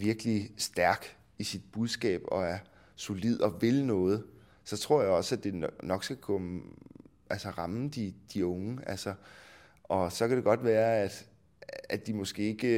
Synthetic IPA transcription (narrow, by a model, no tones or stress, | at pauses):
ʋiɐɡ̥əlisd̥æɐɡ̥ | isid̥̚b̥uð̞ˠsɡ̥ɛ̰ːb̥ɒ̽æɐ | so̝lið̞̰ˠɒ̽ʋe̝lnɔ̽ːð̞̩ˠ | sɒ̽t͡sʰʁo̝ɐ̰jɑ̈ɪɒ̽sæd̥e̝nɒ̽ɡ̥sɡ̥ækʰɒm | ʔælsəʁɑ̈md̥id̥iɔ̽ŋəælsɐ | ʔɒ̽sɒ̽kʰæɾ̥e̝ɡ̥ɒ̽d̥ʋæːɐæd̥ | æ̥imɔ̽sɡ̥e̝̰ːe̝ɡ̥ə